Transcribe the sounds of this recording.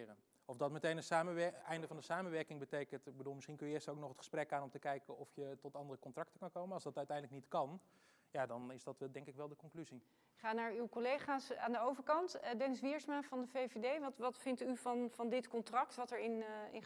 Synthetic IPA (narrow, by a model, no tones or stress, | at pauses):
rən | ɔfdɑtmətejnənsaːməʋɛɛjndəvɑndəsaːmənʋɛɹkɪŋbətejkəntɪɡ̚bəduːlˠmɪsχinkɵnjəɪːstəowknɔχətχə̥sprɛkaːnɔmtəkɛjkəɔfjətɔtɑndərəkɔntrɑk̚təkɑnkowmənɑlˠsdɑtœɥtɛjndləknitkɑn | jadɑnɪzdɑtɛdɛŋkɪkʋɛlˠdəkɔŋklyzi | ɪkχaːnaːɹywkolejχaːsa̰ːndəowvəɹkɑntdɛnɪsʋɪɹsmanvɑndəvejvedejʋɑtʋɑtfɪntyvɑnfɑndɪtkɔntrɑktʋɑtɛɹɪnɪ̰n